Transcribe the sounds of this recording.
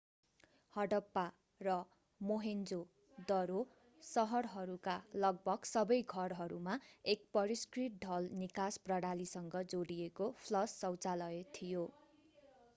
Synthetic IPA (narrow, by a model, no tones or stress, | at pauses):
hʌɽʌpːa | rʌ | moɦend͡zo | d̪ʌɾo | sʌɦʌrɦʌɾukalʌɡ̚bʱʌɡsʌbʌjɡʱʌrɦʌɾumaek̚pʌɾiskriʈ̚ɖʱʌlnikasprʌɽalisʌŋɡʌd͡zoɽijekopʰlʌsːʌwt͡salʌjet̪ʰijo